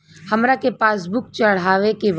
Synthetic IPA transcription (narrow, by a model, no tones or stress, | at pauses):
hɐmɾakepaːsbʊkt͡ʃəɽ̤aːʋekeb